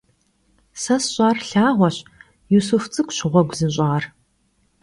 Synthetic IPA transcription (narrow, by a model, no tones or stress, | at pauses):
sɐsɕʼɑːrɬaːʁʷɔɕ | jusuft͡sʼɨkʷɕɪʁʷɔɡʷzɨnɕ̬ʼɑːr